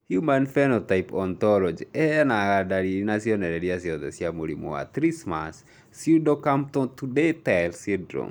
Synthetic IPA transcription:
hjumanfɛnɔtajpɔnt̪ɔlɔd͡ʒiɛanaɡadaɾinasiɔnɛɾɛdias̬iɔt̪ɛsiamoɾḭmo̰a̰t̪ɾisma̰sː | udokamp̚tɔtudetajlsidɾɔ̰m

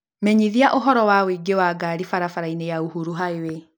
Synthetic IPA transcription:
mɛɲiðiaʔoɦɔɾɔwawiɡewaːɡaɾifaɾafaɾainejauɦuɾuɦaewe

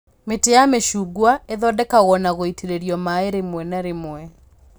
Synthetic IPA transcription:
metejameʃuːɡwaeðɔdɛkaɣɔnaɣoitiɾeɾiɔmaeɾemwɛnaɾemwɛ

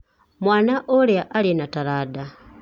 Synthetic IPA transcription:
mwaːnaʔoleaʔalinataɾada

